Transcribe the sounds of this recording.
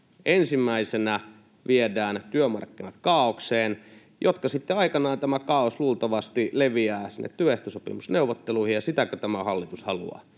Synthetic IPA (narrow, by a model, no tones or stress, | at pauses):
ʔensimːæisenæ | ʋiedæːnt̪yømɑrkːinɑt̪kɑːokseːn | jʔot̪kɑsit̪ːeɑikɑnɑːnt̪æmækɑːosluːlt̪ɑʋɑst̪ileʋiæːsinːʔḛt̪t̪yøeht̪osopḭmusneuʋˑot̪ːeluihijɑsit̪ækøt̪æmæhɑlːit̪ushɑlṵɑ̰